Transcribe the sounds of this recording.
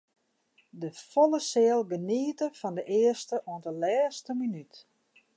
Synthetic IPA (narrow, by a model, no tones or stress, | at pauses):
dəfolˠəsɪəlˠɡəniətəfɔndəʔɪərstəʔoəndəlɛːstəminyt